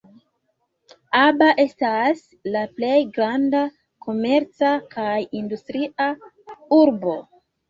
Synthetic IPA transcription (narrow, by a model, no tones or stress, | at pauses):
abaʔe̞stas | laple̞jɡɾanda | ko̞me̞ɾt͡sakajindustɾia | uɾbo̞